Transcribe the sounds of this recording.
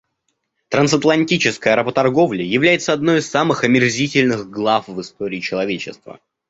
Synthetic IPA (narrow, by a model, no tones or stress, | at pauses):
t̪ɾɐnsɐt̪lˠɐnʲtʲit͡ɕɪskəjɐɾəpət̪ɐrɡo̞vlʲɪjɪvlʲæjɪt̪səɐd̪no̞jɪsːamɨxɐmʲɪrzʲitʲɪlʲnɨɣɡlˠafvɨst̪o̞ɾʲɪːt͡ɕɪlˠɐvʲet͡ɕɪst̪və̰